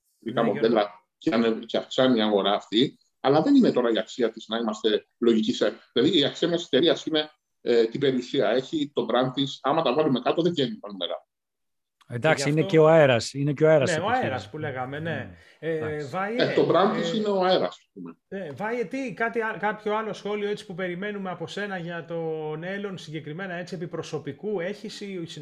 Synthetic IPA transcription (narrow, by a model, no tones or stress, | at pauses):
ɾikɐmod̪e̞lɐ | ceɐneceɐfksɐniːɐɣo̞ɾɐːft̪i | ɐlɐðe̞nine̞t̪o̞ɾɐiɐksiɐt̪iznɐimɐst̪e̞ | lo̞ʝiciseðilɐðiːɐksiɐmjɐse̥t̪e̞ɾiɐsine̞ | t̪ibe̞ɾiusiɐe̞çit̪o̞bɾɐnt̪isɐmɐt̪ɐvɐlume̞kɐt̪o̞ðevʝenipɐnume̞̰ɾɐ̰ | end̪ɐkssiinece̞oɐeɾɐsineceoeɾɐseoeɾɐspule̞ɣɐme̞ne̞ | vɐjet̪o̞bɾɐnd̪t̪isineoaeɾɐ̰sɐspume | nevɐjet̪ikɐt̪iɐkɐpço̞ɐlo̞sxo̞lioet͡si̥pupe̞ɾime̞nume̞ɐpo̞se̞nɐʝɐt̪o̞ne̞lo̞nsiɲɟe̞kɾime̞nɐe̞t͡siepipɾo̞so̞pikue̞çisis